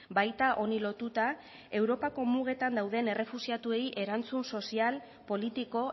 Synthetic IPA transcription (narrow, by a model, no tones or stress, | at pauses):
bajt̪aʔo̞nilo̞t̪ut̪a | e̞wɾo̞pako̞muɣ̞e̞t̪and̪awð̞ene̞rʔe̞fusiat̪ue̞jiʔe̞ɾant͡sunso̞sial | po̞lit̪iko̞